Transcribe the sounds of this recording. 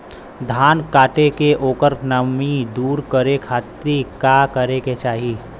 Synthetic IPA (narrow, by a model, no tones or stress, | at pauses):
d̪ʱaːnkaːʈekeʔoːkəɾnɐmid̪uːɾkəɾekʰaːt̪ɾikaːkəɾeket͡ʃaːɦi